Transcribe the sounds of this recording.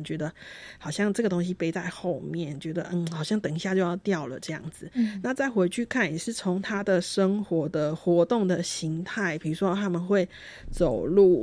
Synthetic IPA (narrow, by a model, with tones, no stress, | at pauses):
t͡ɕɥɛ˧˦˥d̪ə˧xɑ˨˩ʊɕjɑ˥˧ŋʈ͡ʂə˥˩ɡə˩t̪o˥ŋɕi˥pe˥ɪt͡sa˥˧ɪxo˥˧ʊmjɛ˥˨nt͡ɕɥɛ˧˥d̪ə˧n̩˥˩xɑ˨˩ʊɕjɑ˥˩ŋt̪ə˨˩ŋi˦ɕja˥˧t͡ɕjo˥˧ʊjɑ˥˧ʊt̪jɑ˥˨˩ʊlə̰˩ʈ͡ʂɤ˥˧jɑ̰˥˩ŋd͡zɹ̩˨˩na˥˧t͡sa˥˩ɪxwe˧˥ɪt͡ɕʰy˥˧kʰa˥˩nɛ˨˩ʂɻ̩˥˩t͡sʰʊ˧˥ŋt̪ʰa˥d̪ə˨ʂə˥ŋxwɔ˧˥˦d̪ə˨xwɔ˧˥t̪ʊ˥˩ŋd̪ə˨˩ɕi˧˥ŋt̪ʰa˥˩ɪpʰi˨˩u˧˥ʂwɔ˦˥t̪ʰa˥mə˨nxwe˥˩ɪ | t͡so˨˩ʊlu˥˩